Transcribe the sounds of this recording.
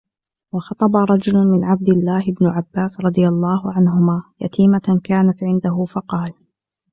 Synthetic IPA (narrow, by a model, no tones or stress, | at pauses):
wɑxɑt̪ˤɑbɑɾˤɑd͡ʒʊlʊmɪnʕab̚d̪ɪlːaːhɪbnʊʕabːaːsɾˤɑd̪ˤɨjalˤːɑːɦʊʕanɦʊmaːja̰t̪ʰiːmakaːnat̪ʕɪnd̪aɦʊfɑqɑːl